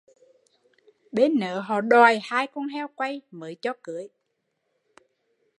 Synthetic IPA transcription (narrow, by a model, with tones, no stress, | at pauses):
ɓe˨˦nːə̰ː˨˦ɦɔ̰˧˨ɗwa˨˩jhaː˧jkɔ˧nhɛ˧wkwa˧jməː˨˦jt͡ɕɔ˧kɨ˨˦əj